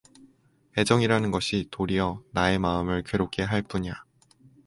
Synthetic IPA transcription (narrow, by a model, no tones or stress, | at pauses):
e̞d͡ʑʌŋiɾanɯnɡʌɕʰitoɾiʌnae̞maɯmɯɭkeɾok͈ʰe̞ɦaɭp͈uɲa